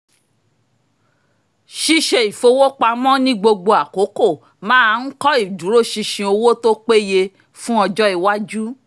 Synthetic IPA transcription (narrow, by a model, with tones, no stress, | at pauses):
ʃi˧ʃe˧i˨fo˧wo˦k͡pa˧mɔ̃˦nĩ˦ɡ͡bo˧ɡ͡bo˧a˨ko˨˦ko˦˨ | mãː˦a˧n̩˦kɔ˦i˦˨dũ˨˦ɾo˦˨ʃi˧ʃĩ˧o˧wo˦to˦k͡pe˦je˧ | fũ˦ɔ˧d͡ʒɔ˦i˦˨wa˦d͡ʒu˦